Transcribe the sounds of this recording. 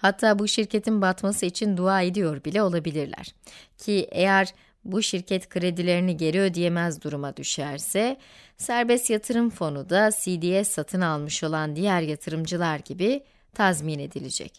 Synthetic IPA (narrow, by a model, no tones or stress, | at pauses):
hat̪ʰːaːbuʃiɾce̞t̪ʰinbat̪masɯit͡ʃʰind̪uaːed̪ijo̞ɾbilʲɛo̞lˠabilʲiɾlʲæ̰ɾ̥cʰiʔejæɾ | buʃiɾcʰɛt̪kʰɯɾe̞d̪ilʲe̞ɾiniɟe̞ɾiød̪ije̞mɛzd̪uɾumad̪yʃæɾsɛ | sæɾbɛst̪jat̪ʰɯɾɯmfo̞nud̪asiːd̪iːɛsːat̪ʰɯnalˠmɯʃo̞lˠand̪ijæɾjat̪ʰɯɾɯmd͡ʒɯlˠaɾɟibi | t̪ʰazmine̞d̪ilʲed͡ʒɛ̰c